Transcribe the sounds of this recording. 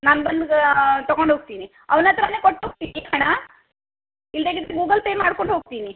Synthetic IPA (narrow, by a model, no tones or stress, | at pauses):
naːnbɐnd̪t̪ɔɡoɳɖʱɦoːɡ̚t̪iːni | ɐʋnɐt̪ɾaneːkoʈːoːɡ̚t̪iːnikaɳa | ild̪eɡid̪ɾeɡuːɡɐlpeːmaːɽkoɳɖɦoːɡ̚t̪ini